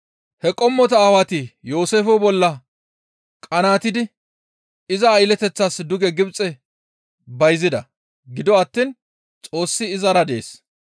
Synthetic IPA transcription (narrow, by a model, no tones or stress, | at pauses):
hɛkʼɔmːɔt̪ɐaːwɐt̪ɪjo̞ːseːfɔbɔlːɐ | kʼɐnaːt̪ɪd̪ɪ | ɪzɐːjlɛt̪ɛt͡sːasd̪ʊɡɛɡɪbt͡sʼɛ | bɐjzɪd̪ɐ̰ | ɡɪd̪ɔɐt̪ːiːn | t͡sʼo̞ːsːɪːzɐɾɐd̪e̞ːs